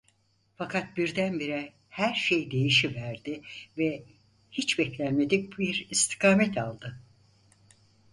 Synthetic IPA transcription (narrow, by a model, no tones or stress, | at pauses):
fakʰat̪̚biɾd̪ænbiɾɛ | hæɾʃejd̪e̞jiʃivæɾd̪ɪvɛ | hit͡ʃbɛclʲænme̞d̪ic̚biɾist̪ʰi̥kʰaːmɛt̪ʰalˠd̪ɯ